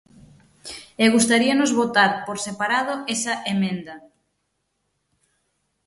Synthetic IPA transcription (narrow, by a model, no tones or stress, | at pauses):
eɣust̪aɾiɐnʊzβot̪aɾpoɾsepaɾað̞ʊɛsɐʔemẽnd̪ɐ